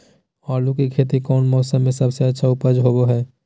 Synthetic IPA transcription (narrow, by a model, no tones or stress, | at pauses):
ɔːɾlukikʰeːt̪ikɔːnmɔːsəmːẽsɐbseɐtːʃʰaʊpəd͡ʒɦoːɡoɦɛː